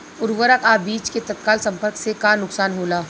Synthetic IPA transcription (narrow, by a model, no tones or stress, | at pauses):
ʊɾʋəɾəkaːbiːt͡ʃket̪ɐt̪̚kaːlsɐ̃mpəɾksekanʊksaːnɦoːlaː